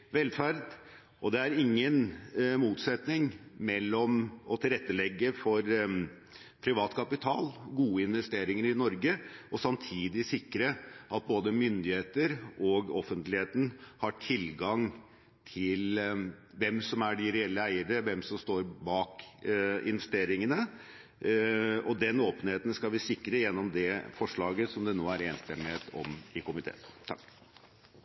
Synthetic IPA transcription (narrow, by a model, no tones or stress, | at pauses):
ʋɛlfæɾd̪ | ʔɔd̪ɛæɾɪŋːənmuːt̪sɛt̪nɪŋmɛlːɔmɔt̪ʰɪlɾɛt̪ːəlɛɡːəfɔɾ | pʰɾɪʋɑːt̪kʰɑpɪt̪ʰɑ̰ːlɡuːəɪnʋɛst̪eːɾɪŋəɾɪnɔɾɡəʔɔsɑmt̪ʰiːd̪ɪsɪkːɾəʔɑt̪̚boːd̪əmʏnd̪ɪheːt̪əɾɔɡɔfːənt̪lɪheːt̪n̩hɑʈʰɪlɡɑŋ | t̪ʰɪl | ʋɛmsɔmæɖɪɾɛɛlːəæɪəɖəʋɛmsɔmst̪oːɾbɑːk | ɪ̰nʋɛst̪eːɾɪŋənə | ɔd̪ɛnoːpənheːt̪ən̩skɑlʋɪsɪkːɾəjɛnːɔmd̪ɛfɔʂɭɑːɡəsɔmd̪ɛnoːæɾeːnst̪ɛmːɪheːt̪ɔ̰mɪkʊmɪt̪ʰḛːt̪ʰɑk